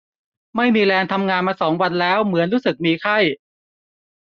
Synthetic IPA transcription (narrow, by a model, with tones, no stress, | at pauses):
ma˥˩jmiː˧lɛː˧nt̪ʰa˧mŋaː˧nmaː˧sɔː˩˦ŋwa˧nlɛː˦˥wmɯ˩˦ənɾuː˦˥sɯ˨˩k̚miː˧kʰa˥˩j